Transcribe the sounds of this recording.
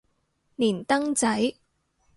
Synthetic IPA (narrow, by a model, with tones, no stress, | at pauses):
niː˨˩nt̪ɐ˥ŋt͡sɐ˨˥j